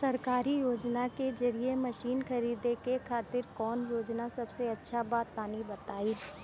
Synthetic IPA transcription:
sɐɾkaːɾijoːd͡ʒnaked͡ʒɐɾiemɐʃiːnxɐɾiːd̪ekekʰaːt̪ɪɾkɔːnjoːd͡ʒnasɐbseɐtːʃʰabaːt̪̚ːaːnibɐt̪aːiː

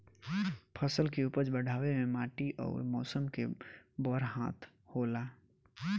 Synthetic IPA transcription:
pʰəsəlkeuːpəɾd͡ʒbɐɽ̤ʱaːʋemẽmaːʈiʔɔ̰ːɾmɔːsəmkebɔːɾɦãːt̪ʰ | hoːlaː

